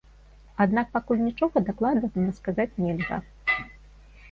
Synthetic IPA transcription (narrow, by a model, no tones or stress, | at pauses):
ad̪nak̚pakulʲnʲit͡ʂɔɣɐd̪aklˠad̪ɐznɐskazat͡sʲnʲɛlʲɣɐ̰